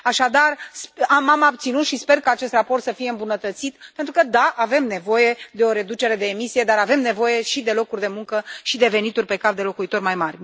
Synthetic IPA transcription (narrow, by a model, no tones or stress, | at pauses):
aʃad̪arsamamab̚t̪sinut̪ʃispe̞rkaat͡ʃe̞st̪rapo̞rt̪səfije̞ɨmbunət̪ət̪sit̪pe̞nt̪ɾukəd̪aʔave̞mne̞vo̞je̞d̪e̞o̞ɾe̞d̪ut͡ʃe̞ɾe̞d̪e̞ːmisije̞d̪aɾave̞mne̞vo̞je̞ʃid̪e̞lo̞kurʲd̪e̞muŋkəʃid̪e̞ve̞nit̪urʲpe̞kapd̪e̞lo̞kuit̪o̞rʲmajmarʲ